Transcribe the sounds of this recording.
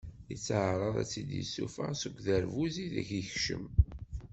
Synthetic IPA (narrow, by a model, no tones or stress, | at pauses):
it͡sːʕɾˤəðˤæ̰t͡sːid̪jḭsṵfæsəɡʷðæɾvuziðæ̰çiçʃə̰m